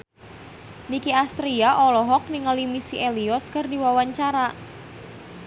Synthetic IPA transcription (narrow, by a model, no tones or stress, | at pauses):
nikiast̪ɾiaʔɔlɔɦɔk̚nɪŋəlimisiʔeliɔt̪̚kɨrdiwawaɲt͡ʃaɾa